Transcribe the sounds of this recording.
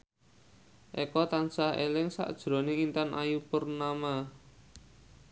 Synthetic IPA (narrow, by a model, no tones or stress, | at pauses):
ʔekɔt̪ansahḛlɪŋsa̰ʔd̥ʒ̥ɾɔ̤neŋint̪anʔa̰jupərnama